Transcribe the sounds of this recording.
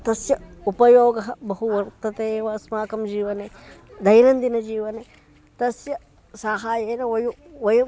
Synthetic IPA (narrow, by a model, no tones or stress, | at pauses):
t̪ɐsjɐupɐjoːɡɐɦɐbɐɦuwɐɾt̪ɐt̪ewɐɐsmaːkɐmd͡ʒiːwɐne | d̪ɐjnɐnd̪inɐd͡ʒiːwɐne | t̪ɐsjɐ | saːɦaːjeːnɐwɐju | wɐju